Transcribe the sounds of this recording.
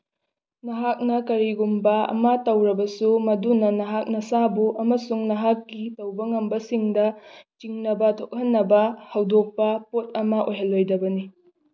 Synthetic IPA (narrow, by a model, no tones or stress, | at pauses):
nɐɦak̚nɐkɐɾiɡumbɐɐ̰mɐtɐwɾɐbɐsumɐdunɐnɐɦak̚nɐsabuʔɐmɐsuŋnɐɦakːitɐwbɐŋɐmbɐsiŋdɐt͡ʃiŋnɐbɐtʰok̚hɐnːɐbɐhɐwdok̚pɐpot̚ɐmɐʔojɦɐlːojdɐbɐni